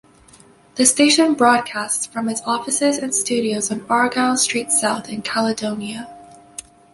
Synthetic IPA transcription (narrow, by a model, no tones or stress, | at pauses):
ðɨsteɪʃɨ̃nbɹɔd̚kʰæstsfɹʌ̃mɨzɔfɨsɪzɨ̃nstʉɾioʊz̃n̩ɑɹɡalˠstɹ̥itsaʊθɨ̃nkʰælˠədõʊ̃njɨ